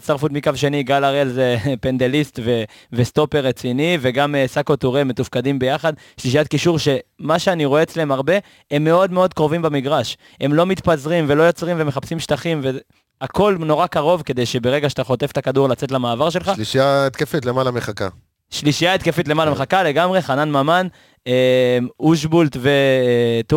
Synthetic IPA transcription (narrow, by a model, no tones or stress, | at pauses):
tsaʁfut̪mikavʃe̞niɡalaʁelzepe̞nd̪e̞list̪ve | vest̪o̞peʁet͡sinive̞ɡamesakot̪oʁeme̞t̪ufkadimbe̞jaχad̪ | ʃliʃijat̪kiʃuʁʃe̞maʃe̞aniʁo̞eːt͡sleemaʁbe̞ | emːe̞o̞d̪me̞od̪kʁo̞vimbamiɡʁaʃ | e̞mlo̞mit̪pazʁimve̞lo̞jo̞t͡sʁimvemeχapsimʃt̪aχimve | ako̞lno̞ʁakaʁo̞vke̞d̪e̞jʃe̞be̞ʁe̞ɡaʃat̪aχo̞t̪e̞ft̪akaduʁlat͡se̞t̪lamaːvaʁʃe̞lχaliʃijaet̪kefet̪lemalameχaka̰ | ʃliʃijaet̪kefet̬lemalameχakale̞ɡamʁe̞χananmaman | emuʃ̬bult̪vet̪u